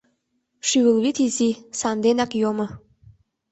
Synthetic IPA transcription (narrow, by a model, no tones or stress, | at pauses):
ʃyəlβit̪izisɑnd̪enɑkjomɤ̆